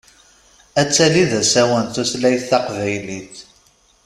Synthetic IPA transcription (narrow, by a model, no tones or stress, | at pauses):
æt͡sːæliðæsæwənt̪uθlæjθːɑqvæjliθ